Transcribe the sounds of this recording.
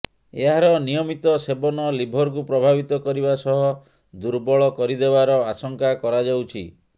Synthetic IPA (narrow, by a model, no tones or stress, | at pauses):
ḛɦaɾɔnijɔmit̪ɔsebɔnɔlibʱɔɾk̬upɾɔbʱabit̪ɔkɔɾibasɔɦɔ | d̪uɾbɔɭɔkɔɾid̪ebaɾɔasɔŋkakɔɾad͡ʒawt͡ʃʰi